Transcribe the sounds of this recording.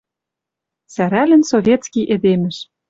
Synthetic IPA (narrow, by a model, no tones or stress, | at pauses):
sæɾælɘ̆nsovʲet̪t͡skʲiʔed̪emɘ̆ʃ